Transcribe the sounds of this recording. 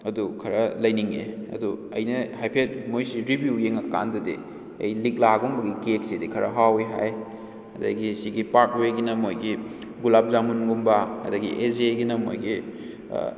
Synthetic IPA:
ɐdukʰɐɾɐlɐjniŋḛɐ̰duɐ̰jnɐhajpʰet̚mojsiɾibjujeŋɐka̰ndɐdḭ | ɐ̰jlik̚laɡumbɐɡikek̚sedikʰɐɾɐ̰ɦawiɦa̰j | ɐ̰dɐ̰ɡisiɡipaɾk̚weɡinɐmojɡi | ɡulap̚zamunɡumbɐɐ̰dɐɡiʔeseɡinɐmo̰jɡḭ

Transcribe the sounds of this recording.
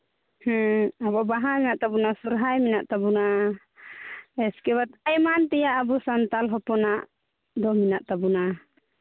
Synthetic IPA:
hɛabɔbaɦajminaʔt̪abunasuɾɦajminaʔt̪abuna | ɛskɛbat̪ajmant̪ɛjaʔːbusant̪alɦɔpɔnaʔ | d̪ɔminaʔt̪abuna

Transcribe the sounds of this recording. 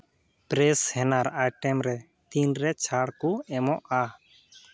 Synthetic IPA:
pɾɛshɛnaɾajʈɛmɾɛ | t̪inɾɛt͡ʃʰaɽkuɛmɔʔa

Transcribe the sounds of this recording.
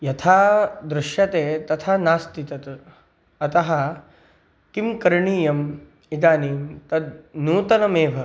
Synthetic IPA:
jɐt̪ʰaːd̪ɾɪʃjɐt̪eːt̪ɐt̪ʰaːnaːst̪it̪ɐt̪ | ɐt̪ɐɦɐ | kimkɐɾɳiːjɐm | id̪aːniːmt̪ɐd̪nuːt̪ɐnɐmeːʋɐ

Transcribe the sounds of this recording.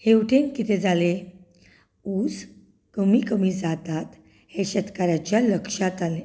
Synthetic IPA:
hewʈʰẽnkit̪ʰed͡zale | ud͡z | kəmikəmid͡zat̪at̪ | heɕət̪kaɾat͡ɕjaləkʂat̪ale

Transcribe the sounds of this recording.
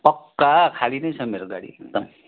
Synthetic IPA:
pʌkːakʰalinʌjt͡sʰʌmeɾɡaɽḭek̚d̪ʌm

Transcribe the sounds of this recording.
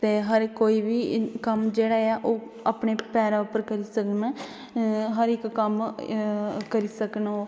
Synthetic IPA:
t̪eːɦəɾkoːiːʋiːkəmd͡ʒeːɽaːaːʔoː | aːpɳeːpɛːɾaːʊpəɾkəɾiːsəknaː | ɦəɾɪkːəm | kəɾiːsəkno

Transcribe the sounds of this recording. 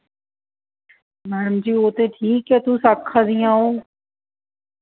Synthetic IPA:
mɛːɽəmd͡ʒiːoːt̪eːʈʰiːkɛːt̪ũːsaːkʰːaːd̪ijãːɦoː

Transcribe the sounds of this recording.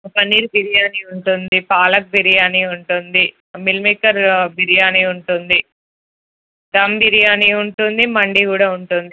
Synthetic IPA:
pɐnːiːɾbiɾijaːniuɳʈund̪ipaːlɐk̚bʱiɾijaːniuɳʈund̪i | milmikːɐɾbʱiɾijaːniuɳʈund̪i | t̪ɐmbiɾijaːniuɳʈund̪imɐɳɖikuːɽaːuɳʈund̪i

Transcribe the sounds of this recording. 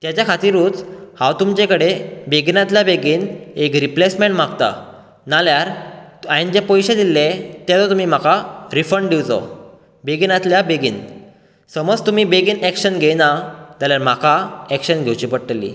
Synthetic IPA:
t̪jat͡ɕjakʰat̪iɾũːt͡shãwt̪umt͡ɕẽkəɽebeɡinat̪ljabeɡiːnekɾiplesmẽɳʈmaɡt̪a̰ | naljaɾaind͡ʑepɔjɕẽd̪ilːet̪jat̪ɔt̪umiːm̤akaɾifəɳɖɖiʋt͡sɔ̰ | beɡinat̪ljabeɡiːn | səməd͡zt̪umiːbeɡiːnækɕənɡʱenat̪aljaɾm̤akʰaɛkɕənɡʱewt͡ɕipəɽʈəlːḭː

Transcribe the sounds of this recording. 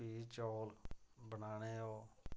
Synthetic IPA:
iːt͡ʃoːlbənaːñeːoː

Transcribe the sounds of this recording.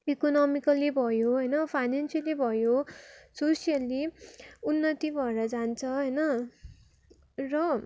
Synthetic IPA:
ikonʌmikʌlibʱʌjoɦʌjnʌpʰajnansijʌlibʱʌjososijʌliunːʌt̪ibʱʌeɾʌd͡zant͡sʰʌɦʌjnʌ | rʌ

